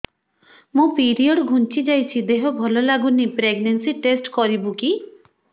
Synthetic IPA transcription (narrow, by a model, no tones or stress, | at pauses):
mũpiɾiɔɽɡʱunt͡ʃid͡ʒajt͡ʃʰid̪eɦɔbʱɔlɔlaɡunipɾeɡnensiʈesʈkɔɾibuki